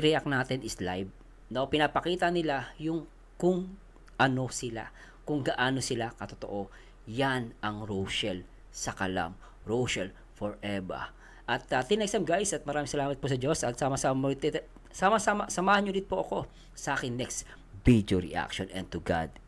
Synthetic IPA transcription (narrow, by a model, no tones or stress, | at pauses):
ɾɛʔak̚naːt̪ɪnɪslajb̚ | nopɪnapɐkiːt̪ɐnɪlajʊŋ | kʊŋ | ʔɐno̞sɪla̰ | kʊŋɡɐʔaːno̞sɪlakɐt̪ot̪o̰ʔo̞ | janɐŋɾowʃɛl | sɐkɐla̰m | ɹowʃɐl | foɹʔɛbɐ̰ | ʔɐt̪ɐt̪ɪnɛksɐmɡajsɐt̪̚mɐɾaːmɪ̃ŋsɐlaːmɐt̪̚posɐd͡ʒo̞sɐt̪̚saːmɐsamamɐɪt̪ | samɐsamasɐmaːhɐnɲoɾɪt̪̚poʔɐko̞ | sɐʔaːkɪŋnɛkst̪ | bid̪oɾɪ̰ʔa̰k̚ʃonɛ̰̃n̚t̪ʊɡa̰d̪̚